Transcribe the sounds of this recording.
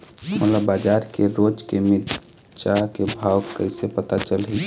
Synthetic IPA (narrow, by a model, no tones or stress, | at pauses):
məlabaːd͡ʒaːɾkeɾoːd͡ʒkemɪ | t͡ʃakebʱaːwkəɪsepət̪at͡ʃəlɦi